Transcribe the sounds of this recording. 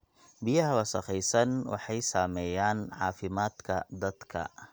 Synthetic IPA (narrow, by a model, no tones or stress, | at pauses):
bijɐɦɐwɐsɐχɛjsɐnwɑ̰ħɑjsaːmɛːjaːnʕɑ̰ːfɪmaːd̪kʰɐd̪ɐd̪̥kʰɐ̰